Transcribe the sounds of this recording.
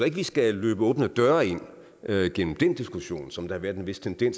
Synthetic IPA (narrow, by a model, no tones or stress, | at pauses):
e̝ɡ̥əʋisɡ̥æløːb̥əɔːb̥ənəd̥ɶɐe̝n̰ | øɡ̥en̰m̩d̥end̥isɡ̥uɕo̝̰ːnsɒ̽md̥ɑ̈hɑʋæːɐd̥enʋe̝sd̥t͡sʰend̥en̰s